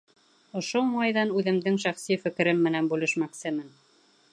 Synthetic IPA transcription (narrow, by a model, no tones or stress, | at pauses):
ŏʃomɑjðɑnʉðɘ̆md̪ɘŋʃæχsifɘ̆kɘ̆ɾɘmːɘ̆nænbʉlɘ̆ʃmæksɘmɘn